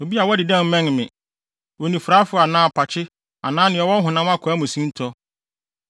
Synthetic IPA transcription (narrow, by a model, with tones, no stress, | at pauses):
wo˨bi˦a˨wɔ˦dɪ˨dɛ̃˦m̩˦mɛ̃˦ŋ˨mɪ̰̃˨ | wo˨nĩ˨fɾa˦fʊ˨˦a˨nãː˦˨pʰa˨t͡ɕʰɪ˦ | a̰˨nãː˦nɪ̃˨ɔ˨wɔ˦ɦʊ̃˨nã˦m˦a˦kʰʊ˨a˦mʊ̃˨sĩ˦n˦tʰɔ˦